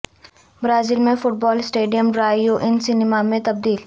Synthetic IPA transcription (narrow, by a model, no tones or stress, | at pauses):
bɾaːzɪlmẽfʊʈ̚bɔːlsʈeːɖijəmɖɾaːioʔɪnsɪnɪmamẽt̪ɐb̚d̪iːl